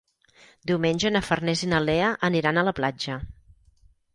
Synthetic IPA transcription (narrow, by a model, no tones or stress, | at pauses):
d̪iwmenʲʒənəfərnɛzinəleəʔəniɾanələplad͡ʒə